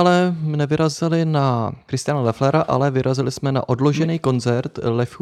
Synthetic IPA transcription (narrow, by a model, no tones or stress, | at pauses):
alɛnɛvɪɾazɪlɪnakɾɪst̪ɪjanalɛflɛɾaʔa̰lɛvɪɾʔazɪlɪsmɛna̰ʔo̞dlo̞ʒɛniːko̞nt͡sɛɾt̪lɛf